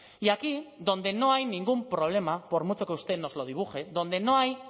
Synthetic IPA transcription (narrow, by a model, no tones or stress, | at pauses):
ʝakiðo̞nd̪e̞no̞ajniŋɡumpɾo̞β̞le̞mapo̞ɾmut͡ʃo̞keust̪e̞no̞zlo̞ð̞iβuxe̞ðo̞nd̪e̞no̞aj